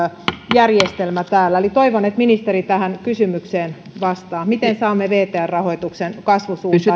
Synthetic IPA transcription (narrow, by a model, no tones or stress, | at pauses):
jærjest̪elmæt̪æːlːæelit̪oiʋonet̪minist̪eɾit̪æhænkysymykseːn | ʋɑst̪ɑːmit̪ensɑːmːeʋeːt̪eærrɑhoit̪uksenkɑsʋusuː